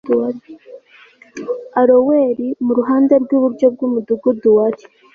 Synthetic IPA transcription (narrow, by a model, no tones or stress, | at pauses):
aɾoweːɾimuɾuɦaːnd̪eɾɡwuːβuɾɟob̚ɡuːmud̪uɡud̪uwaɾi̥